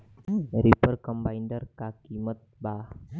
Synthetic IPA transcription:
ɾipəɾkəmbaiɳɖəɾkakimət̪̚ba

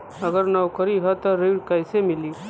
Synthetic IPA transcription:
əɡəɾnəwkəɾiɦət̪ɔɾiɽkəjsemɪli

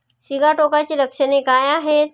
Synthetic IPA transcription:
siɡaʈokat͡ɕiːɾəkʂənekajaɦet̪

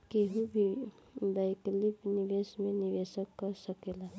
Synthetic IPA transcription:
keɦũbʱi | bajklipniʋesmeniʋesəkːəsəkela

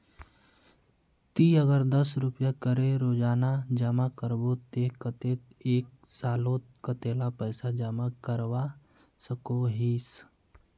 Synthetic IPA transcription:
t̪iəɡəɾd̪əsɾʊpjakəɾeɾoːd͡ʒaːnad͡ʒəmakəɾbot̪eːkət̪eːt̪eːk̚ | saːlõt̪kət̪eːlapəːsad͡ʒəmakəɾwa | səkoɦiːs

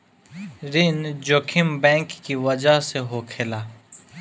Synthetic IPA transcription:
ɾɪnd͡ʒoːkʰɪmbɛ̃ːŋkːiʋɐd͡ʒaɦseɦoːkʰelaː

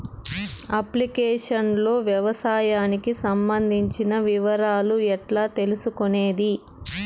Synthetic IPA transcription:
ɐplikeːʂɐnlo̞ːʋjɐʋɐsaːjaːnikisɐmbɐnd̪ʱiɲt͡ʃinɐʋiʋɐɾaːluɛʈlaːt̪e̞lusukone̞ːd̪i

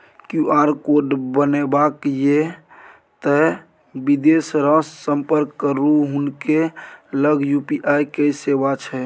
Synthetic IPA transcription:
kjuaɾkoɖbənebakje | t̪ə | bid̪esɾəsəmpəɾkːəɾuɦunkeləɡjupiʔajkesebat͡ʃʰɛ

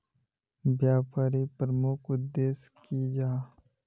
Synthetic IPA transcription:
bjaːpaːɾipɾəmʊkʰʊd̪ːeːskid͡ʒaː

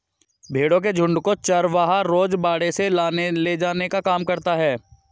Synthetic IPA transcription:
bʱeːɽõk̬ed͡ʒʱʊ̃ɳɖkot͡ʃəɾʋaːɦaɾoːd͡ʒbaːɽeselaːneled͡ʒaːnekakaːmkɐɾt̪aɦɛː

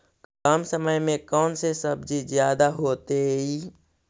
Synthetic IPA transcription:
kaːmsəməjmẽkɔːnsesəbd͡ʒizjaːd̪aɦoːt̪eiː

